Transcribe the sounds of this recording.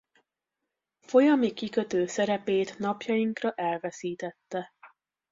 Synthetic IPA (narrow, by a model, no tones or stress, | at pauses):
fo̞jɒmikikø̞t̪øːsɛɾɛpeːt̪nɒpjɒjiŋkrɒʔɛlvɛsiːt̪ɛt̪ːɛ